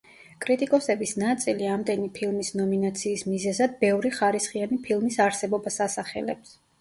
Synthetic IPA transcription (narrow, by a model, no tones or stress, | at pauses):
kʼɾit̪ʼikʼɔsɛbisnat̪sʼiliamd̪ɛnipʰilˠmisnɔminat̪sʰiːsmizɛzad̪̚bɛvɾiχaɾisχianipʰilˠmisaɾsɛbɔbasasaχɛ̰lɛ̰ps